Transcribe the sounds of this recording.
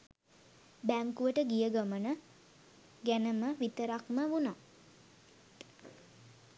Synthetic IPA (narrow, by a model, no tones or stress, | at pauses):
bæŋkuʋəʈəɡijəɡəmənə | ɡænəməʋit̪əɾakməʋuna